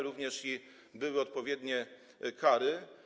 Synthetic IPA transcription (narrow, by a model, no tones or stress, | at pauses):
ɾuvɲɛʂi | bɘwɘɔt̪̚pɔvʲjɛd̪ɲɛ | kaɾɘ